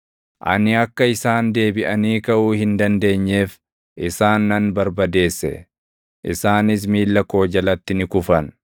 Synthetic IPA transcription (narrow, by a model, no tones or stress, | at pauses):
ʔɐ̰nɪɐkːɐɪsaːnd̪e̞ːbɪʔɐniːkɐʔuːhɪnd̪ɐnd̪e̞ːɲːe̞ːf | ʔɪsaːnːɐnbɐɾbɐd̪e̞ːsːɛ̰ | ʔɪsaːnɪs̬miːlːɐko̞ːd͡ʒɐlɐt̪ːɪnɪkʊfɐn